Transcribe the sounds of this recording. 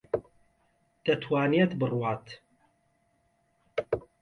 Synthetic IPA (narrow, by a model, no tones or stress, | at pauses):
d̪̥ɐt̪ʰwaːniet̪bɨrwaːt̪